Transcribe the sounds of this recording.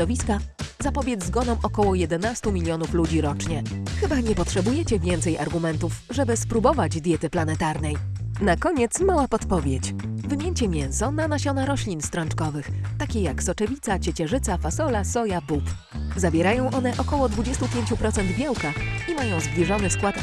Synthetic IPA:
ɔvʲiskazapɔbʲjɛd̪zzɡɔnɔw̃ʔɔkɔwɔjɛd̪ɛnast̪umʲilʲjɔnuflud͡ʑiɾɔt͡ʂɲɛxɘbaɲɛpɔtʂɛbujɛt͡ɕɛvʲjɛnt̪sɛja̰ɾɡumɛnt̪uf | ʐɛbɘspɾubɔvad͡ʑd̪ʲjɛt̪ɘplanɛt̪aɾnɛjnakɔɲɛt̪smawapɔt̪pɔvʲjɛt͡ɕvɘmʲjɛɲt͡ɕɛmʲjɛnsɔnanaɕɔnaɾɔɕlʲinst̪ɾɔnt͡ʂkɔvɘxt̪akʲɛjaksɔt͡ʂɛvʲit̪sat͡ɕɛt͡ɕɛʐɘt̪safasɔlasɔjabup | zabʲjɛɾajɔ̃w̃ʔɔnɛʔɔkɔwɔd̪vud͡ʑɛst̪upʲjeɲt͡ɕupɾɔt̪sɛnd̪bʲjawkaimajɔ̃w̃zblʲiʐɔnɘskwat̪

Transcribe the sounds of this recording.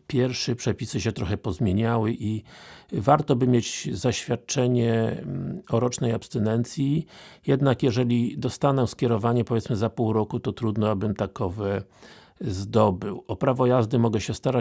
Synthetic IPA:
pʲjɛɾʂɛpʂɛpʲisɘɕɛt̪ɾɔxɛpɔzmʲjeɲawɘʔi | vaɾt̪ɔbɘmʲjed͡ʑzaɕfʲjat̪̚t͡ʂɛɲɛ | ɔɾɔt͡ʂnɛjapst̪ɛnɛnt̪sʲjijɛd̪nakjɛʐɛlʲid̪ɔst̪anɛskʲɛɾɔvaɲɛpɔvʲjɛt̪smɘzapuwɾɔkut̪ɔt̪ɾud̪nɔabɘmt̪akɔvɛ | zd̪ɔbɘwɔpɾavɔjazd̪ɘmɔɡɛɕɛst̪aɾa

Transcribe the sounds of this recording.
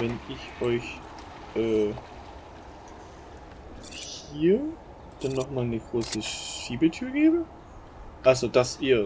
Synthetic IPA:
vɛnʔɪçʔɔʏç | ʔɛː | hiːɐ | d̥anːɔχmaːlnəɡ̥ʁoːsəʃiːbətʰyːɐɡeːbə | ʔalzod̥asiːɐ

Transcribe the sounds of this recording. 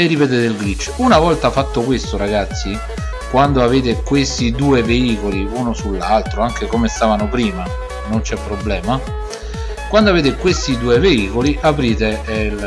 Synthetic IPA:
erːipet̪et̪eilɡɾit͡ʃːunavɔlt̪afat̪ːokwest̪oɾaɡat̪sːi | kwand̪oaveːt̪ekwest̪id̪uːeveiːkoliuːnosulːalt̪ɾoaŋk̟ekomest̪aːvanopɾiːma | nont͡ʃɛpːɾoblɛːma | kwand̪oaveːt̪ekwest̪id̪uːeveiːkoliʔapɾiːt̪e

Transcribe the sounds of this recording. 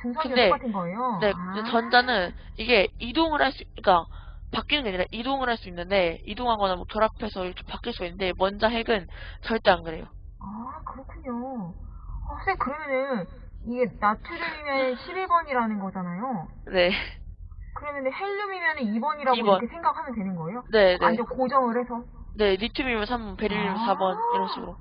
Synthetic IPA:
tɯŋsʰʌkɯindekatʰɯnɡʌejone̞kɯet͡ɕʌnd͡ʑanɯn | iɡe̞idoŋɯɾɦaɭs͈uik͈a | pak͈inɯnŋɡeaɲiɾaʔidoŋɯɾɦaɭs͈uinːɯnde̞idoŋɦaŋɡʌnamwʌkjʌɾapʰe̞sʰʌiɾʌkʰe̞pak͈iɭs͈uinːɯndemʌnd͡ʑaɦe̞ɡɯnt͡ɕʌɭt͈eanɡɯɾe̞jo | akɯɾʌkʰuɲo | asʰekɯɾʌmjʌnɯn | iɡe̞natʰuɾumimjʌnnɕʰibibʌɲiɾanɯnɡʌd͡ʑanajo | ne̞ | kɯɾenːɯnde̞heʎːumimjʌnɯnibʌɲiɾaɡiobʌkʰesʰe̞ŋɡakʰhamjʌndwe̞nɯnɡʌejone̞nad͡ʑokod͡ʑʌŋɯɾɦe̞sʰʌ | ne̞ɾitʰumimjʌnsʰambʌnpe̞ɾiɭːumsʰabʌniɾʌnɕʰiɡɯɾo

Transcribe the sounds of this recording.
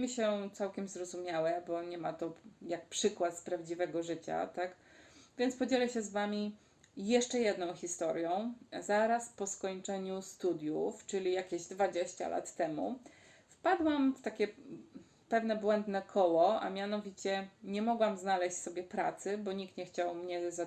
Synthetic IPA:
mʲiɕɛt̪sawkʲɛmzɾɔzumʲjawɛbɔɲɛmat̪ɔjak̚pʂɘkwat̪spɾavd͡ʑivɛɡɔʐɘt͡ɕa̰t̪ak | vʲjɛntspɔd͡ʑɛlɛɕɛzvamʲi | jɛʂt͡ʂɛjɛd̪nɔ̃w̃xʲist̪ɔɾjɔ̃w̃zaɾaspɔskɔɲt͡ʂɛɲust̪ud̪ʲjuft͡ʂɘlʲijakʲeʑd̪vad͡ʑeɕt͡ɕa̰lʔa̰t̪ːɛmṵ | fpad̪wamft̪akʲɛ | pɛvn̪ɛbwɛnd̪nɛkʰɔwɔa̰mʲjanɔvʲit͡ɕɛɲɛmɔɡwamznalɛɕt͡ɕʲsɔbʲjɛpɾa̰t̪sɘbɔɲik̚t̪ɲɛxt͡ɕawmɲɛza

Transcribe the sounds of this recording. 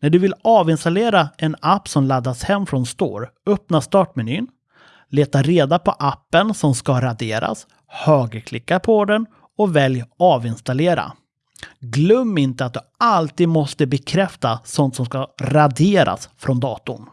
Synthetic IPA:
næɖɵvɪlɑːvɪnst̪aleːɾaɛnapːsɔmlad̪ːashɛmːfɾɔnst̪o̰ːɾœpnaʂt̪ɑːʈmɛnyːn | leːt̪aɾeːd̪apʰɔʔapːənsɔmskaɾad̪eːɾa̰s | høːɡəɾkʰlɪkːapʰɔd̪ɛn | ɔvɛljɑːvɪnst̪aleːɾa̰ | ɡlœmːɪnt̪əat̪̚d̪ɵalt̪iːd̪mɔst̪əbɛkʰɾɛft̪asɔnt̪sɔmskaɾad̪eːɾa̰sfɾʔɔnd̪ɑːt̪ʊ̰ɳ

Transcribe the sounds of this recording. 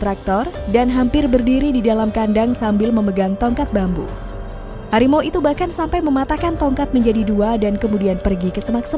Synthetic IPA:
t̪ɾak̚t̪ɔrdanɦampɪrbərdiɾididalamkandaŋsambɪlməməɡaŋt̪ɔŋkat̪̚bambṵ | haɾimoit̪ubahkansampajməmat̪akant̪ɔŋkat̪̚məɲd͡ʒadiduadankəmudianpərɡikəsəmaksə

